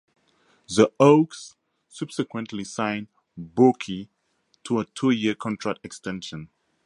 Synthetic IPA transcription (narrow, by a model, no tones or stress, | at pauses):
ðəoksː | ʌb̥sɛkwɛ̃ntʰlisãɪ̃n | bokʰi | tʰuətʰujiəkʰɔ̃ntʰɹak̚tɛkstɛ̃nʃɔ̃n